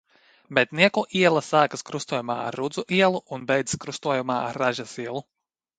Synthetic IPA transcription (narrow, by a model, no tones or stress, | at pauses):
bɛt̪niɛkuʔiɛlˠɐsaːkaskɾust̪uɔjuma̰ːa̰ɾːud̪zuʔiɛlˠuunbɛjd̪zi̥skɾust̪uɔjumaːa̰ɾːaʒasiɛlˠu